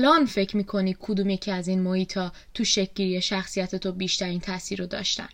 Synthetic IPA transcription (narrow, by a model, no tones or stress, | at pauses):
lɒːnfe̞cʰmiːkʰo̞ni̥ːkʰod̪uːmje̞cʰiæzinmohiːt̪ʰɒː | t̪ʰuʃec̚ʲɟiːɾijeʃæxsijæt̪ʰe̞t̪ʰobiːʃt̪æɾiːnt̪ʰæsiːɾod̪ɒ̰ːʃt̪æ̰n